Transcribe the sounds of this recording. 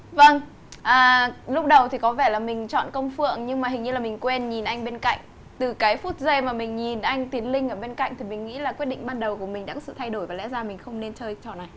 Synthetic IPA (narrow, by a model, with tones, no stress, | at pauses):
və˧ŋ | ʔəː˨˩lʊ˦˥k͡p̚ɗə˨˩wt̪ʰi˨˩kɔ˨˦vɛː˧˩laː˨˩mï˨˩ŋ̟t͡ɕɔ̰˧˨nkə˧wŋ͡mfɨ̰˧˨əŋɲɨ˧ŋmaː˨˩ɦï˨˩ŋ̟ɲɨ˧laː˨˩mï˨˩ŋ̟kwɛ˧nɲi˨˩nʔa˧jŋ̟ɓe˧nka̰˧˨jŋ̟ | t̪ɨ˨˩kaː˨˦jfu˦˥t̚ze˧maː˨˩mï˨˩ŋ̟ɲi˨˩nʔa˧jŋ̟t̪i˨˦ənlï˧ŋʔəː˧˩ɓe˧nka̰˧˨jŋ̟t̪ʰi˨˩mï˨˩ŋ̟ŋḭ˧˥laː˨˩kwi˦˥t̚ɗḭ̈˧˨ŋ̟ɓaː˧nɗə˨˩wku˧˩əmi˨˩ŋ̟ɗa̰ː˧˥kɔ˨˦sɨ̰˧˨t̪ʰa˧jɗo˧˩jvaː˨˩lɛ̰˧˥zaː˧mï˨˩ŋ̟xə˧wŋ͡mne˧nt͡ɕəː˧jt͡ɕɔ˧˩na˨˩j